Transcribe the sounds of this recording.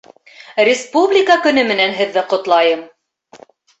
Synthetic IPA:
rʲɪspublʲɪkakɵ̆nɵmɘ̆nænɦɘ̆ðːɘqŏt̪lˠɑjɤm

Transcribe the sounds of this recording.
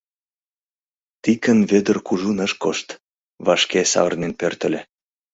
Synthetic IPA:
t̪ikənvβød̪ərkuʒunəʃkoʃt̪ | βɑʃkesɑ̰βərnenpørt̪ə̆lʲe

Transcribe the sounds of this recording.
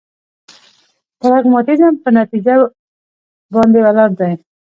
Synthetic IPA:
t̪aɾaɡmɑt̪izampənat̪id͡ʒa | bɑnd̪ewalaɾd̪aj

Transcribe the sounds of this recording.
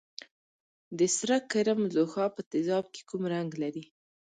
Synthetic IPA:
d̪əsɾakːaɾamzoxɑpət̪ɪzɑb̚ke̥kumɾaŋɡlaɾi

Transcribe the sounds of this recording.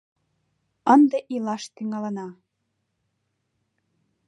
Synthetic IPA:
ənd̪eʔilɑʃt̪iŋɑlə̆nɑ

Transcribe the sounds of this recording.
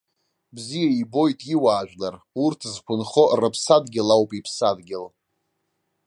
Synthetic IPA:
bzijaibo̞jtʼiwaːʒᶣʷlar | urtʰzkʷʰʊnχorɨpʰsadɡʲɪlawpʼipʰsadɡʲɪl

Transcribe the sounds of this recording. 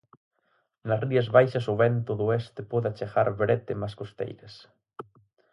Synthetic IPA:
nɐsriɐzβajʃɐsʊβɛnt̪ʊðʊest̪ɪpɔðat͡ʃeɣaɾβɾet̪ɪmaskost̪ḛjɾɐs

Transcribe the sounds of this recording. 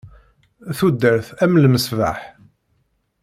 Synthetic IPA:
θud̪ːəɾθæmlməsva̰ħ

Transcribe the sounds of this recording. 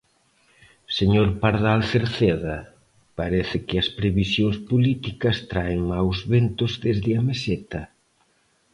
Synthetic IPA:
seɲoɾpaɾðalθeɾθeðɐ | paɾɛθɪkɪɐspɾeβisjoŋspolit̪ikɐst̪ɾaeŋmawzβent̪ʊzðezðɪɐmesɛt̪ɐ

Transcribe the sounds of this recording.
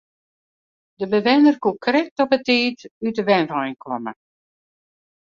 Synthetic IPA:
dəbəʋɪnərkukrɛk̚tɔpətiːtydəʋɛnrɔjnkʰɔmə̰

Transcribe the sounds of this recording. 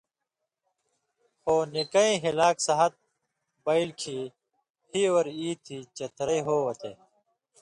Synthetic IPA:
xoːnikɐĩːɦilaːksɐɦɐt̪̚ | bɐilkʰiː | hiːwɐɾiːt̪ʰiːt͡ɕɐt̪ɾɐiɦoːwɐt̪ḛː

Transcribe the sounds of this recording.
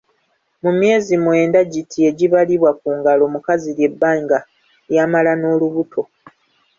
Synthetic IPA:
mumje̞ːzimwe̞ːndaɟitʰie̞ɟiβaliβwak̚uːŋɡalo̞mukazilje̞bːaːŋɡa | jamalano̞ːluβutʰo̞

